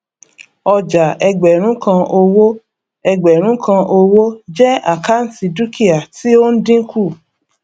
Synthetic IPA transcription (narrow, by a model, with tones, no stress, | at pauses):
ɔ˧d͡ʒa˨ɛ˧ɡ͡bɛ˨ɾ̃ũ˨˦kã˧o˧wo˦ | ɛ˧ɡ͡bɛ˨ɾ̃ũ˨˦kʰã˧ʔo˧wo˦d͡ʒɛ˦a˦˨ka˦n̩˦si˧du˦ki˦a˨ti˨˦o˦n̩˦dĩ˦kʰu˦˨